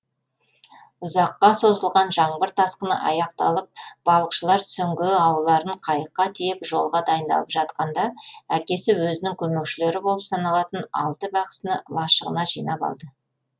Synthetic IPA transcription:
ʊzɑqːɑso̞zəlˠʁɑnʒɑɴbəɾt̪ʰɑsqənə̰ʔɑjɑq̚t̪ɑlˠəp̚b̥ɑlˠəqʃəlˠɑɾsʏŋɡʲɪɑwəlˠːɑɾəɴqʰɑjəqːɑt̪ʰejɪpʒo̞lˠʁɑd̪ɑjənd̪ɑ̰lˠəpʒ̥ɑt̪̚qɑnd̪ɑækʲe̞sɪwɵzɪnɪŋkʲʰɵmewʃɪle̞ɾɪbo̞lˠəpsɑnɑlˠɑt̪ənɑ̰lˠt̪əbɑqə̥sənəlˠɑʃəʁə̰nɑʒijnɑpɑ̰lˠd̪ə

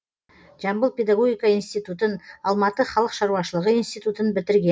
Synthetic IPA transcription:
ʒ̥ɑmbəlˠpʲe̞d̪aɡo̞ɡʲijkɑinst̪ijt̪ut̪ənɑlˠmɑt̪əχɑlˠəqʃɑɾuwɑʃəlˠəʁəinst̪ijt̪ut̪ənbɪt̪ɪɾɡʲe

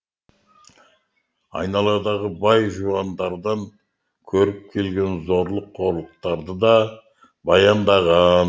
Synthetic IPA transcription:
ɑ̰jnɑlˠɑd̪ɑʁəbɑjʒuɑnd̪ɑɾd̪ɑŋ | kʲʰɵɾɪp̚kʲʰe̞lɡʲe̞nzo̞ɾlˠəqʰːo̞ɾlˠəq̚t̪ɑɾd̪əd̪ɑ | bɑjɑnd̪ɑʁɑn

